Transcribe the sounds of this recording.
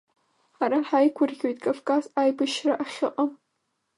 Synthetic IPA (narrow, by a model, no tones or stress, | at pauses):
ħaɾaħajkʷʰʊrɡʲo̞jtʼkʼafkʼazajbɨʃraʔaχʲɪqʼam